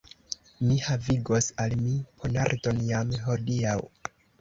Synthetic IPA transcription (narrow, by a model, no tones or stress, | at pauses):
mihaviɡo̞salmipʰo̞naɾto̞njamɦo̞diaw